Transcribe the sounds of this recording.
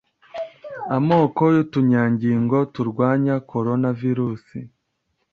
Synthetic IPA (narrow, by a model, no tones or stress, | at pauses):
amo̞ːko̞jutuɲaːɲɟiŋɡo̞tuɾɡwaːɲakʰo̞ɾo̞naviɾuːsi